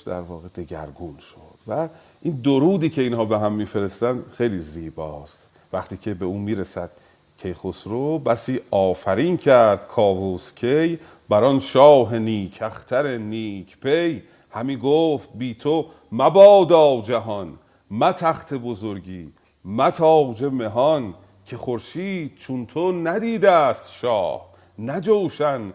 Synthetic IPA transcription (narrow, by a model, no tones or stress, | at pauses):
d̪æ̰ɾvɒːɣed̪e̞ɟæ̰ɾɡunʃod̪̥væ | ʔind̪oɾuːd̪iːcʰe̞iːnɦɒːbeɦæmːiːfe̞ɾe̞st̪ænd̪xejliːziːbɒːst̪ | væχt̪ʰiːcʰe̞beuːmiːɾesæd̪̥̚ | cʰejxosɾobæsiːɒːfæɾiːncʰæɾd̪̥kʰɒːvoscʰe̞j | bæɾɒnʃɒːɦe̞niːcʰæxt̪ʰæɾeniːcʰpej | hæmiːɡoːft̪̚biːt̪ʰo | mæbɒːd̪ɒːwd͡ʒæɦɒn | mæt̪ʰæχt̪ʰe̞bozoɾɡiː | mæt̪ʰɒːwd͡ʒe̞meɦɒn | kʰe̞χoɾʃiːd̪̥̚t͡ʃʰunt̪ʰonæd̪iːd̪æst̪ʃɒ̰ːh | næd͡ʒowʃæn